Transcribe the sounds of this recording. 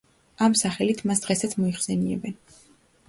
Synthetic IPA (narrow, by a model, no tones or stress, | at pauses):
amsaχɛlit̪ʰmasd̪̥ʁɛsat̪sʰmɔiχsɛniɛ̰bɛn